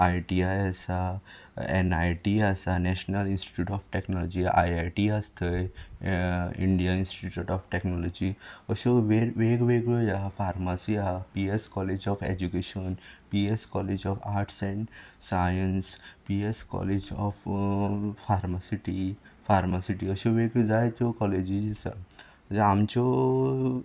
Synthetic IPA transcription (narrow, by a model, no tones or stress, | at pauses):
ajʈiajesa | ḛnaʈiasanɛʃnɐlinsʈi̥ʈjuːʈɔfʈeknɔlɔd͡ʒia̰jajʈiast̪ʰə | ḭɳɖijanĩnsʈiʈuʈɔfʈeknɔlɔd͡ʒiɔsoʋeʋeːɡʋeɡləjafaːɾmasiapieskɔled͡ʒɔfʰḛd͡ʒukeʃɔnpieskɔled͡ʒɔfʰaːɾʈsẽɳɖsajənspieskɔ̰led͡ʒɔf | faɾmasiʈi | fʰaɾmasiʈiəsoʋeɡod͡zajt̪okɔled͡ʒid͡ʒisa̰ | d͡ʒamt͡ʃo